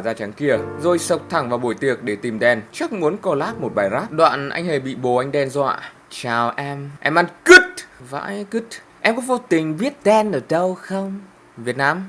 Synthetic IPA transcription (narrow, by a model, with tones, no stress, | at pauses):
zaː˧t͡ɕa˨˦nki˧˩əzo˧jsə˨˩wk͡p̚t̪ʰa˧˩ŋvaː˨˩ɓo̰˧˩˨jt̪i˨˩ək̚ɗe˧˩t̪i˨˩mɗɛ˧nt͡ɕa˦˥k̚mu˨˦ənkɔ˧˩laː˦˥p̚mo˨˩t̚ɓaː˨˩jzaː˦˥pɗwa̰ː˧˨nʔa̰˧jŋ̟he˨˩ɓḭ˧˨ɓo˨˩ʔa˧jŋ̟ɗɛ˧nzwa̰ː˧˨ | t͡ɕaː˨˩wʔɛ˧mʔɛ˧mʔa˧nkɨ˦˥t̚va̰ː˧˥jkt̚ | ʔɛ˧mkɔ˧˦ŋvo˧˦t̪ï˨˩ŋ̟ɓi˦˥ət̚ɗɛ˧nʔəː˨˩ɗə˧wxə˧wŋ͡m | vi˨˩ət̚naː˧m